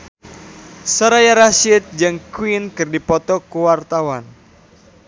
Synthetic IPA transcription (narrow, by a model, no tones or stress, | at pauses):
səɾajaɾaʃɪt̪̚d͡ʒɨŋkwinkɨrdipɔt̪ɔkuwart̪awan